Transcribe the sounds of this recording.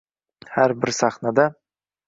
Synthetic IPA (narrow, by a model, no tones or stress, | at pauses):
hæɾbɪɾsɑχnɑd̪ɑ